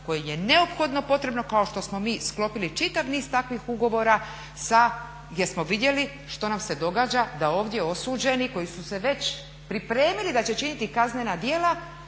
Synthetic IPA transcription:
ko̞jeje̞ne̞o̞pxo̞d̪no̞po̞t̪ɾe̞bno̞kao̞ʃt̪o̞smo̞miːsklo̞pilit͡ʃit̪aʋniːz̥t̪akʋixuɡo̞ʋo̞ɾa | sa | ɡjeɾsmo̞ʋid̪je̞li | ʃt̪o̞namse̞d̪o̞ɡaːd͡ʑad̪ao̞ːʋd̪je̞o̞suːd͡ʑe̞niko̞jisuse̞ʋe̞t͡ɕ | pɾipɾe̞ːmilid̪at͡ɕe̞t͡ʃinit̪ikaznenad̪jeːla

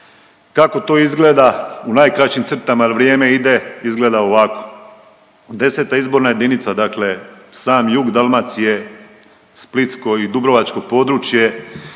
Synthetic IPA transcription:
kako̞t̪o̞ːizɡle̞ːd̪aunaːjkɾat͡ɕimt̪r̩t̪amalʋɾjeːme̞id̪e̞izɡle̞ːd̪aoʋako̞̥ | d̪e̞se̞t̪aizbo̞ɾnaje̞d̪init̪sad̪akle̞saːmjuɡd̪alˠmat̪sije̞ | split̪sko̞id̪ubɾo̞ʋat͡ʃko̞po̞ːd̪ɾut͡ʃje̞

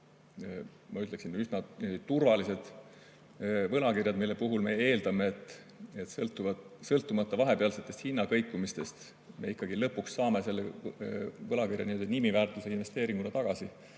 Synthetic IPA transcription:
mɑyt̪le̞ksinysnɑet̪urvɑlise̞d̪̥ | vɤlɑkirjɑd̪milːepuɦulme̞e̞ːld̪̥ɑme̞ːt̪ːˑ | et̪slt̪ːˑuvɑsɤlt̪ːˑumɑt̪ːɑvɑɦe̞peɑlse̞t̪ˑːest̪hinːɑkɤjkːˑumist̪e̞st̪ | me̞ikːˑɑɡ̥ilɤpːuksːɑːme̞se̞lːe | vɤlɑkirjɑnimøld̪ɑnimivæːrt̪ˑuse̞inve̞st̪e̞ːɾiŋɡ̥unɑt̪ɑɡ̥ɑsi

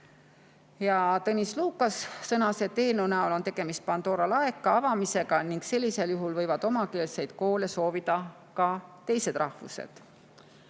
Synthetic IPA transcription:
jɑt̪ɤnʲisluːkːˑɑsːɤnɑse̞t̪e̞ːnunæolo̞nt̪e̞ɡ̥e̞mist̪̚pɑnd̪̥o̞ːɾɑlɑekːˑɑɑvɑmise̞ɡ̥ɑniŋɡ̥se̞lʲːise̞ljuɦulvɤ̞jvɑd̪o̞mɑke̞ːlse̞jd̪̥ko̞ːleso̞ːvid̪̥ɑ | kɑt̪e̞jse̞d̪̥rʔɑhvṵsḛd̪̥

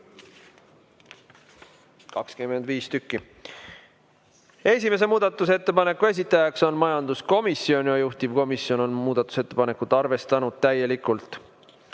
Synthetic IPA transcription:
kɑkskymend̪viːst̪ykːˑi | e̞sʲime̞s̬e̞muːd̪̥ɑt̪ːˑuse̞t̪ːepɑne̞kːˑue̞s̬ʲit̪ːˑɑjɑkso̞nmɑjɑnd̪usko̞misːio̞nʲiɑjuht̪ivko̞misjo̞no̞nmuːd̪̥ɑt̪ːˑu̥se̞t̪ːe̞pɑne̞kˑut̪ːˑɑrve̞st̪ɑnud̪̥̚t̪æje̞likˑult̪ˑ

